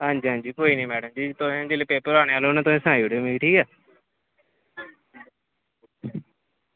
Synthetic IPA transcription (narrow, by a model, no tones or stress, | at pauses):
ɦãːɲd͡ʒiːɦãːɲd͡ʒiːkoːiːnə̃ːmɛːɽəmd͡ʒiːt̪ʊsẽd͡ʒeːleːpeːpəɾaːɽẽːaːloːnaːt̪ʊsẽːsãːiːoɽemiʈʰiːkaː